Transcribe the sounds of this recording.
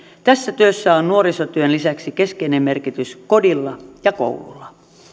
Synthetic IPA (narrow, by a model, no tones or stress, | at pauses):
t̪æsːæt̪yøsːæonnuoɾisot̪yønlisæksike̞skeinemme̞rkit̪ysko̞dilːɑjɑko̰wlṵlːɑ